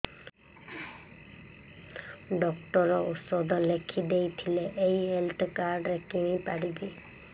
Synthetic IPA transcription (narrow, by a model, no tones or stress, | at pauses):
ɖɔkʈɔɾɔusɔd̪ʱɔlekʰid̪ejt̪ʰileʔejɦelt̪ʰkaɾɖɾekiɽ̃ĩpaɽibi